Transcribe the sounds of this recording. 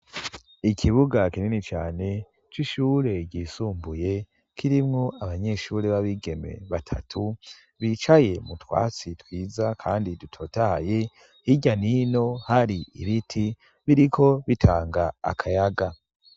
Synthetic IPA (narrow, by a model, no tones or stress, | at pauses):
ikʰiβuɡakininit͡ʃaːne̞ | t͡ʃiʃuːɾe̞ɟiːsuːmbuje̞ | kʰiɾimŋo̞ʔaβaɲe̞ʃuɾeβaβiɡe̞me̞̰βatʰa̰tʰu | βit͡ʃaje̞mutwa̰ːt͡sitwiːzakʰaːndidutʰo̞ːtaha̰je̞ | hiɟanino̞haɾiḭβitʰi | βiɾikʰo̞βitʰaːŋɡa̰ːkʰajaɡa